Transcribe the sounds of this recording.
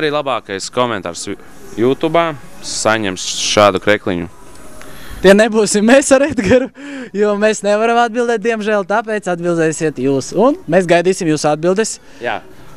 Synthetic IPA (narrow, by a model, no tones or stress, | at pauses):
aɾiːlˠabaːkajskɔmɛnt̪a̰ːɾs | juːt̪uːbaːsaɲɛmsʃaːd̪ukɾɛklˠḭɲṵ | t̪iɛnebuːsimːesaɾɛd̪ɡaɾujuɔmesnɛʋaɾamad̪̚bilˠd̪ɛːt̪̚d̪iɛmʒæːlˠt̪ap̬ɛt̪sad̪̚bilˠd̪ɛsiɛt̪juːsunmesɡajd̪iːsimjuːsad̪̚bilˠd̪es | ja̰ː